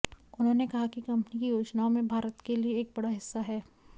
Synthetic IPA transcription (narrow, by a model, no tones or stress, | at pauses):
ʊnɦõːnekɐɦakikɐ̃mpnikijoːd͡ʒnaomẽbʱaːɾət̪kelieːk̚bɐɽaɦɪsːaɦɛː